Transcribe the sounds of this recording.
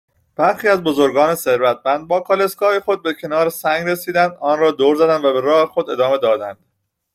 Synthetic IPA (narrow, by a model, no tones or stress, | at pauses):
b̥æɾxiːæzbo̞zo̞ɾɡɒːne̞se̞ɾvæt̪̚ʰmænd̪̚bɒːkʰɒle̞skɒːjexo̞d̪̚becʰe̞nɒːɾesæŋɡɾesiːd̪ænd̪ʔɒːnrɒːd̪oːɾzæd̪ænvæbe̞ɾɒːhe̞xod̪e̞̰d̪ɒːme̞d̪ɒːd̪ænd̪̥